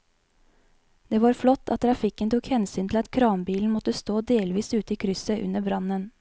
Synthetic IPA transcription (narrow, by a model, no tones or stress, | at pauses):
d̪̥eːʋɑːɾflɔt̪ʰːɑ̰t̪̚t̪ʰɾɑfɪkənt̪ʰuːkhɛnsyːnʰl̩ɑt̪kʰɾɑːmbiːln̩mɔt̪əst̪oːd̪eːlʋiːsʉːt̪əiːkʰɾʏsəʔʉ̰nəbɾɑnən